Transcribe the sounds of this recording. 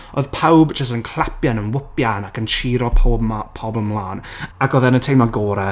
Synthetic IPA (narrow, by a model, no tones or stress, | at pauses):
oð̥pʰawbd͡ʒəstənkʰlˠapjanənwɪpjanakənt͡ʃʰiːɾɔpʰɔbləmlˠaːnakɔðɛnətʰejmaɡɔːɾɛ